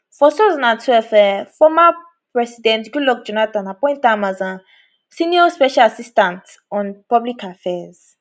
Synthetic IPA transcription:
fɔsɛzɔ̃nãntʰwɛlfɛfɔma | pɹɛsidɛ̃ntɡulɔk̚d͡ʒɔnatãnapɔ̃j̃ntãmãzã | sĩniɔspɛʃalasistãnt | ɔ̃npɔblikʰafɛz̥

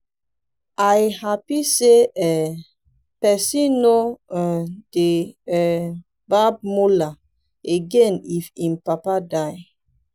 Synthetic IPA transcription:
ajhapiseɛ | pɛsino | d̥e | bab̚mula | eɡenifimpapadaj

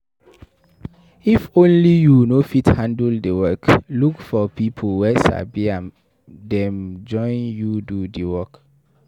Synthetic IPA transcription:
ifõnlijunofithãndldəwɜklukfɔpʰipʰolwɛsa̰biãm | dɛ̃md͡ʒɔ̃ɪ̃njududəwɔk

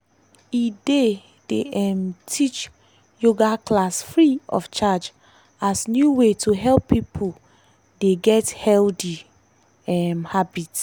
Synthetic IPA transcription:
ide | d̥eɛmtʰit͡ʃ | joɡakʰlasfɹiɔ̰ft͡ʃad͡ʒ | asnjuwetʰuɦɛlpːipʰu | deɡɛthɛldi | ɛmhabit

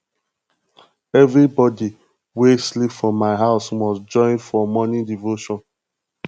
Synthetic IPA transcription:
ɛvɹibɔdi | weslipfɹɔ̃mːaɪɦaʊsmɔsd͡ʒɔ̃ɪ̃nfɔmɔnĩdivoʃɔ̃n

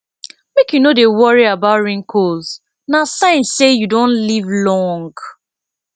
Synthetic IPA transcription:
mekjunodewɔɹiabatɹĩŋkʰoz | nasãɪ̃nsejudõnlivlɔ̃ŋɡ

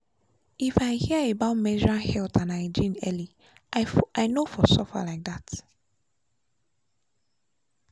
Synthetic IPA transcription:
ifaɪhiəebaʊtmɛd͡ʒɔɹãnhɛltʰãnaɪd͡ʒĩnɛ̰li | aɪnofɔsɔfa̰laɪk̚ðat

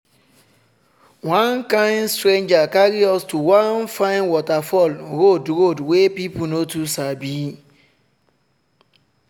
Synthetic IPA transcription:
wãnkãɪ̃nstɾẽnd͡ʒakaɾiɔstuwãnfãɪnwɔtafɔlɾodɾodwepipunotusabi

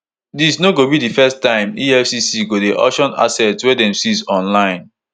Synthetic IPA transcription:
disnoɡobidifɛstãɪ̃miɛfsisiɡodeʔɔ̰ʃɔ̃na̰sɛtwɛdɛ̃msisɔ̃nlãɪ̃n

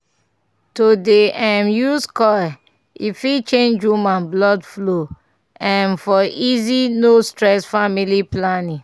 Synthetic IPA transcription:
todeãmjuskɔj | ifit͡ʃẽnd͡ʒwumãnblɔdflo | ãnfɔʔizinostɹɛsfamiliplanĩŋ

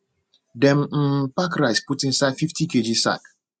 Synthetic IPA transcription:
dɛm̩m̩pakɾaɪsputĩn̩saɪfiftiked͡ʒisa̰k

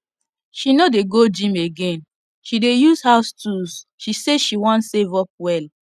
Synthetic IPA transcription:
ʃinodeɡod͡ʒĩmeɡẽn | ʃidejuzhastusʃiseʃiwɔ̃ntsevɔp̚wɛl

